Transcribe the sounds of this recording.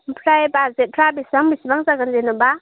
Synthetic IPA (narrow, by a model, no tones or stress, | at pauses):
mpʰɾajebaɾzet̚pʰɾabisbaŋbisbaŋzaɡɯnzenɔba